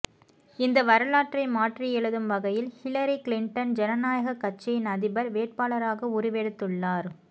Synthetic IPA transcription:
ɪnd̪ɐʋɐɾɯlaːʈrɐɪmaːʈrijɛɭɯðɯmʋɐɣɐjɪlhɪlɐɾikɪlɪɳʈɐnd͡ʒɛnɐnaːjɐɣɐkːɐt͡ʃːɐɪnɐðɪbɐɾʋeːʈ̚paːɭɐɾaːɣɐʊɾɪʋeːɽɯt̪ːɯɭːaːɾ

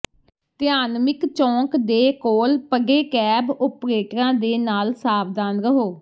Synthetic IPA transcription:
t̪ɪaːnmɪkt͡ʃɔ̃ːkd̪eːkoːlpəɡeːkɛːbʊpɾeːʈɾãːd̪eːnaːlsaːbd̪aːnɾəɦoː

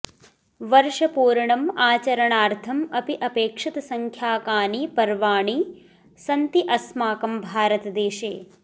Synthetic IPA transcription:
ʋɐɾʂɐpuːɾɐɳɐmaːt͡ʃɐɾɐɳaːɾt̪ʰɐmɐpiʔɐpeːkʂit̪ɐsɐŋkʰjaːkaːniːpɐɾʋaːɳiː | sɐnt̪iʔɐsmaːkɐmbʱaːɾɐt̪ɐd̪eːʃeː

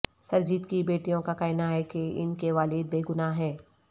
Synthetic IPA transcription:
sɐɾd͡ʒɪt̪kibeːʈijõkakɛːɪnaɦɛkeɪ̰nkeʋaːlɪd̪̚beːɡʊnaɦɛː

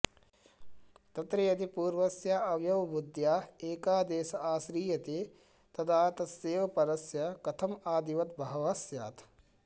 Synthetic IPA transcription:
t̪ɐt̪ɾɐjɐd̪ipuːɾʋɐsjaːɐʋjɐʋbud̪jaːeːkaːd̪eːsɐaːsɾiːjɐt̪eː | t̪ɐd̪aːt̪ɐseːʋɐpɐɾɐsjɐkɐt̪ʰɐmaːd̪iʋɐt̪̚bʱɐɦɐʋɐsja̰ːt̪

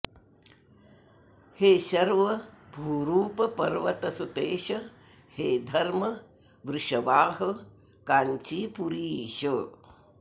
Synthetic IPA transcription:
heːʃɐɾʋɐbʱuːɾuːpɐpɐɾʋɐt̪ɐsut̪eːʃɐ | heːd̪ʱɐɾmɐ | ʋɾɪʃɐʋaːɦɐ̆ | kaːɲt͡ʃipuɾiːʃɐ

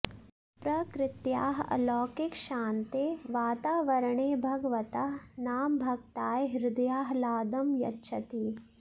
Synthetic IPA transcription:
pɾɐkɾɪt̪ja̰ːɦɐ̰lɔːkɪkʃaːnt̪eːʋaːt̪aːʋɐɾɳeːbʱɐɡʋɐt̪ɐɦnaːmbʱɐɡ̚t̪aːjɦɪɾɪd̪ɐjaːɦlaːd̪ɐmjɐ̰tːʃʰɐt̪iː

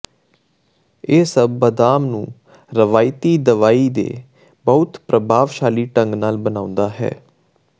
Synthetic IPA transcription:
eːsəbːəd̪aːmnũː | ɾəʋaːɪt̪iːd̪əʋaːiːd̪ḛː | bəʊt̪pɾəbʱaːʋʃaːliːʈəŋɡnaːlbənãːʊ̃nd̪aːɦɛ̰ː

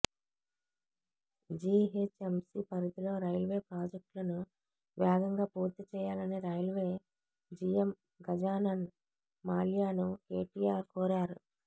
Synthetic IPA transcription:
d͡ʒiːɦet͡ʃemsiːpɐɾit̪ilo̞ːɾɐjlʋe̞ːpɾaːd͡ʒek̚ʈlɐnu | ʋɛːɡɐŋɡaːpuːɾt̪it͡ʃɛːjaːlɐniːɾɐjlʋeː | d͡ʒiːem | ɡɐd͡ʒaːnɐn | maːljaːnukeːʈiːaːɾkoːɾaːɾu

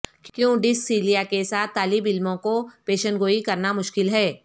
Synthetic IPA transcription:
kkjõːɖɪsːiːlijakesaːt̪ʰːaːlɪbɪlmõkopeːʃənɡoːikɐɾnamʊʃkɪlɦɛː

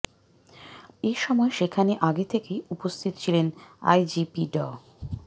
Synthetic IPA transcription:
eʃɔmɔeʃekʰaneʔaɡet̪ʰekejupost̪ʰit̪o̥t͡ɕʰilena̰jd͡ʑipiɖɔ

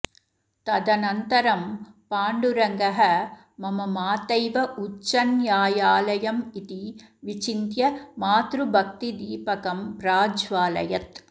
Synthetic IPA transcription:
t̪ɐd̪ɐnɐnt̪ɐɾɐmpaːɳɖuɾɐŋɡɐɦɐ | mɐmɐmaːt̪ɐjʋɐʔut͡ʃːɐnjaːjaːlɐjɐmit̪iʋit͡ʃint̪jɐmaːt̪ɾubʱɐk̚t̪id̪iːpɐkɐmpɾaːd͡ʒʋaːlɐ̰jɐt̪

